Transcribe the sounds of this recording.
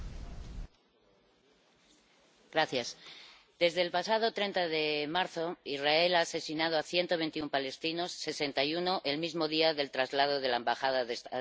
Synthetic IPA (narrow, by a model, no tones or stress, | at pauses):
ɡ̥ɾaθjas | d̪e̞zðe̞ːlpasað̞o̞t̪ɾe̞nt̪aðe̞maɾθo̞izrae̞laːse̞sinað̞oaθje̞nt̪o̞β̞e̞nt̪iumpale̞st̪ino̞sːe̞se̞nt̪ajuno̞ʔe̞lmizmo̞ðiaðe̞lt̪ɾazlað̞o̞ð̞e̞laembaxað̞að